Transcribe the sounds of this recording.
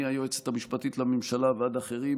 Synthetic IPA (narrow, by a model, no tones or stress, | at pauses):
iajoet͡set̪amiʃpat̪it̪lamimʃalavead̪aχe̞ʁi